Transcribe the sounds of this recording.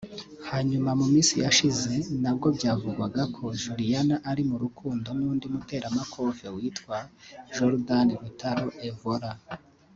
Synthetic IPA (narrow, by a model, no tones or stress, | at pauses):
haːɲumamumiːsijaʃize̞nab̚ɡo̞bɟaːvuɡwaɡakʰo̞ʒuɾijanaʔaɾimuɾukuːndo̞nuːndiumute̞ːɾamakʰo̞ːvewiːtkwaʒoɾdaniɾutaɾo̞ʔevoɾa